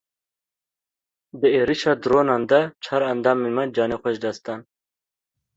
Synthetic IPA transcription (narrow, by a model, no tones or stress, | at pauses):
d̪əeɾiʃad̪ɾonand̪ɐt͡ʃʰɐɾɐnd̪aːmimɐd͡ʒaːnexʷoʃd̪ɐst̪an